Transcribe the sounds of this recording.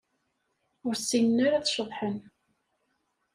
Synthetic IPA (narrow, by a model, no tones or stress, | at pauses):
ʊɾsːinnaɾaθʃəðˤħən